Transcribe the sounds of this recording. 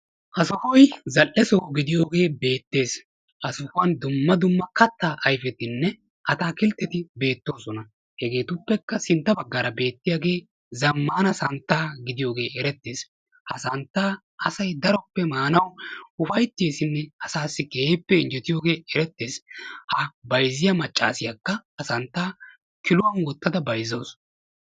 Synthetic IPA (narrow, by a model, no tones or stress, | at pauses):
hɐsɔfɔjzɐlːɛsoɡɪd̪ɪjo̞ːɡe̞ːbe̞ːt̪ːe̞ːs | hɐsɔfʊɐnd̪ʊmːɐd̪ʊmːɐkɐt̪ːaːʔɐjfɛt̪ɪnːɛ | ʔɐt̪aːkɪlt̪ːɛt̪ɪbe̞ːt̪ːo̞ːsɔnɐ | hɛɡe̞ːt̪ʊpːɛkːɐsɪnt̪ːɐbɐɡːɐɾɐbe̞ːt̪ːɪjaːɡe̞ː | zɐmːaːnɐsɐnt̪ːaːɡɪd̪ɪjo̞ːɡe̞ːɛɾɛt̪ːeːs | hɐsɐnt̪ːaː | ɐsɐjd̪ɐɾɔpːɛmaːnɐwʊfɐjt̪ːeːsɪnːɛɐsaːsːɪkeːpːɛɪnd͡ʒɛt̪ɪjo̞ːɡe̞ːɛɾɛt̪ːe̞ːshɐbɐjzɪjamɐt͡ʃʼːa̰ːsɪjɐkːɐhɐsɐnt̪ːaː | kɪlʊwɐnwɔt̪ːɐd̪ɐbɐjzoːsɔ